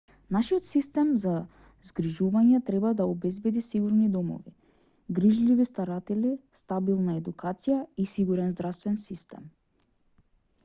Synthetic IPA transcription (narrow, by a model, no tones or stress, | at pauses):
naʃijɔt̪sist̪ɛmza | zɡɾiʒuvaɲɛt̪ɾɛbad̪aɔbɛzbɛd̪isiɡuɾnid̪ɔmɔ̰vi | ɡɾiʒlivist̪aɾat̪ɛlist̪abilˠnaɛd̪ukʰat̪sijaisiɡuɾɛnzd̪ɾafst̪vɛnsist̪ɛ̰m